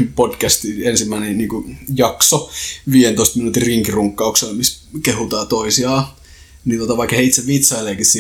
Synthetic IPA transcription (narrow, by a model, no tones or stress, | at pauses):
pod̥kæst̪iensimːæinenniːŋkujɑksoʋiːjent̪oist̪minut̪irriŋkiruŋkːɑukselmiskehut̪ɑːt̪oisiɑː | nint̪ot̪ɑʋɑikːɑheit̪seʋʋit̪sɑileːkissi